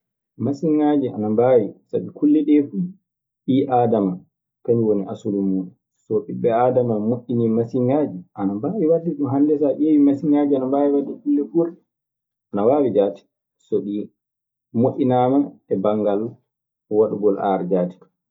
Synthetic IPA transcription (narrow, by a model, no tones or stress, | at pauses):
masiŋaːd͡ʒiʔa̰nambawisa̰ɓikulːɛɗɛfu | ɗiʔaːdama | kaɲwoniʔasulumːuːɗu | sɔɗibɛadamamoʔʲːinimasiŋɡaːd͡ʒiʔanambaːwiwadiɗuɦandɛsaʔewimasiŋɡad͡ʒianambaːwiwadːɛkulːɛfuɾɗɛ | ʔanawaːwid͡ʒaːti̥ | sɔɗi | moʔʲinaːmaɛbaŋɡal | waɗuɡɔlʔa̰ɾd͡ʒaːti̥